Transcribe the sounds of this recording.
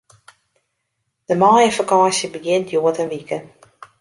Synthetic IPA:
d̥əmaːjəfakaːsjəbəɡɪntʰjoətənʋikə

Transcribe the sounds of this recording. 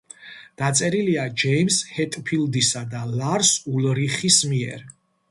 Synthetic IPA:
d̪̥at̪sʼɛɾiliad͡ʒɛimshɛt̪ʼpʰild̪isad̪alaɾsulɾiχismiɛ̰ɾ

